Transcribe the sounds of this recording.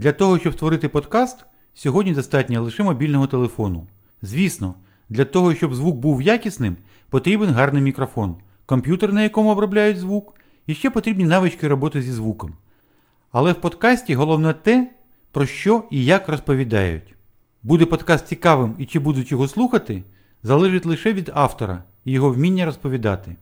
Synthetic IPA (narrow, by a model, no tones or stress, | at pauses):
d̪lʲɐt̪ɔɦɔʃt͡ʃɔbst̪ʋɔɾɪt̪ɪpɔd̪kɑst̪ | sʲɔɦɔdʲnʲid̪ɔst̪ɑt̚ʲnʲɐlˠɪʃɛmɔbʲilʲnɔɦɔt̪elˠefɔnʊ̰ | zʲʋʲisnɔ | d̪lʲɐt̪ɔɦɔʃt͡ʃɔbzʋuk̚buwjakʲisnɪm | pɔt̪ɾʲibenɦɑrnɪjmʲikɾɔfɔn | kɔmpʲjut̪eɾnɐjɐkɔmʊːbɾɔblʲajʊdʲzʋuk | iʃt͡ʃɛpɔt̪ɾʲibʲnʲinɑʋɪt͡ʃkɪɾɔbɔt̪ɪzʲizʋukɔm | ɐlˠɛwpɔd̪kɑsʲtʲiɦɔlˠɔwnɛt̪ɛ | pɾɔʃt͡ʃɔijakrɔspɔʋʲid̪ɑ̰jʊ̰tʲ | bud̪ɛpɔd̪kɑst̪ʲt͡sʲikɑʋɪmit͡ʃɪbud̪ʊtʲjɔɦɔslˠuxɐt̪ɪ | zɐlˠɛʒɪtʲlˠɪʃɛʋʲid̪ɑft̪ɔɾɐ̰ | jɔɦɔwmʲinʲːɐɾɔspɔʋʲid̪ɑ̰t̪ɪ